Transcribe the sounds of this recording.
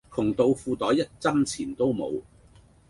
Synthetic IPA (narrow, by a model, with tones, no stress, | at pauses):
kʰʊ˨˩ŋt̪o˧wfuː˧t̪ɔː˨˥jɐ˥t̚t͡sɐ˥mt͡sʰiː˨˩nt̪o˥wmo˨˧w